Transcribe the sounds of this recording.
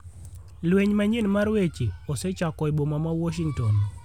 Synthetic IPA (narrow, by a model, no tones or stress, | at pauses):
lweɲmaɲenmaɾwet͡ʃeɔsɛt͡ʃakɔebomamawɔʃiŋtɔn